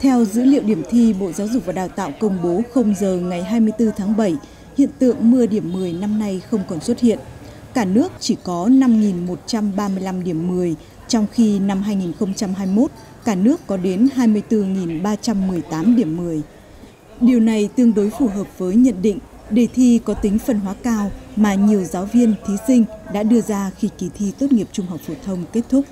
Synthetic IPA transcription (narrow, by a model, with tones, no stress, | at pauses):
t̪ʰɛ˧wzɨ̰˧˥lḭ˧˨əwɗi˧˩əmt̪ʰi˧ɓo̰˧˨zaː˨˦wzʊ˨˩k̚vaː˨˩ɗaː˨˩wt̪a̰ː˧˨wkə˧wŋ͡mɓo˨˦xə˧wŋ͡mzəː˨˩ŋa˨˩jɦaː˧jmɨ˧əjt̪ɨ˧t̪ʰaː˨˦ŋɓə˧˩j | hḭ˧˨ənt̪ɨ̰˧˨əŋmɨ˧əɗi˧˩əmːɨ˨˩əjna˧mna˧jxə˧wŋ͡mkɔ˨˩nswə˦˥t̚hḭ˧˨ən | kaː˧˩nɨ˦˥ək̚t͡ɕi˧˩kɔ˨˦na˧mŋi˨˩nmo˨˩t̚t͡ɕa˧mɓaː˧mɨ˧əjla˧mɗi˧˩əmːɨ˨˩əj | t͡ɕɔ˧wŋ͡mxi˧na˧mɦaː˧jŋi˨˩nxə˧wŋ͡mt͡ɕa˧mɦaː˧jmo˦˥t̚ | kaː˧˩nɨ˦˥əkːɔ˨˦ɗe˨˦nɦaː˧jmɨ˧əjt̪ɨ˧ŋi˨˩nɓaː˧t͡ɕa˧mːɨ˨˩əjt̪aː˨˦mɗi˧˩əmːɨ˨˩əj | ɗi˨˩əwna˨˩jt̪ɨ˧əŋɗo˨˦jfu˧˩ɦəː˨˩p̚vəː˨˦jɲə̰˧˨nɗḭ˧˨ŋ̟ | ɗe˧˩t̪ʰi˧kɔ˨˦t̪ï˨˦ŋ̟fə˨˩nɦwaː˨˦kaː˧wmaː˨˩ɲi˨˩əwzaː˨˦wvi˧ənt̪ʰi˨˦sï˧ŋ̟ɗa̰ː˧˥ɗɨ˧əzaː˧xi˧˩ki˨˩t̪ʰi˧t̪o˦˥t̚ŋi˨˩əp̚t͡ɕʊ˧ŋ͡mɦa˨˩wk͡p̚fo˨˩t̪ʰə˧wŋ͡mke˦˥t̚t̪ʰʊ˦˥k͡p̚